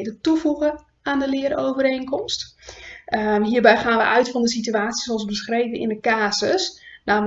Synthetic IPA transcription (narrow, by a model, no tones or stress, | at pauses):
dətufuɣə | andəlɪəɾoːvəɾeːnkɔmst | ɦiːrbɛjxaːnʋə̰ʔœɥtfɑndəsityaːtsi̥soɑlˠsbəsxrejvənɪ̰ndəkaːsəsnaːm